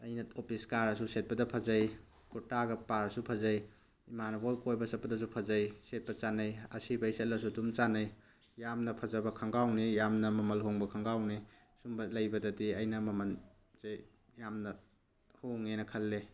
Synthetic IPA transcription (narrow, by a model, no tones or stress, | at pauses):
ɐjnɐopʰiskaɾɐsuset̚pɐdɐpʰɐzɐj | kutaɡɐpaɾɐsupʰɐzɐj | imanɐbojkojbɐsɐt̚pːɐdɐs̬upʰɐzɐjset̚pɐt͡ʃanɐjɐsibɐjset̚lɐsudumt͡ʃanɐj | jamnɐpʰɐzɐbɐkʰɐŋɡawnijamnɐmɐmɐlɦoŋbɐkʰɐŋɡawni | sumbɐlɐjbɐdɐtiɐjnɐmɐmɐn | zej | jamnɐ | hoŋenɐkʰɐlːe